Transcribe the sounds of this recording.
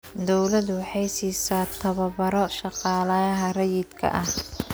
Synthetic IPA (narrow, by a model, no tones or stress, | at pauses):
d̪ɔwlɐd̪wɑħɑjsiːsaːt̪ʰɐβɐβɐɾɔʃɑqɑːlɐɐɦɐrɐjɪd̪kʰɐ̰ʔɐh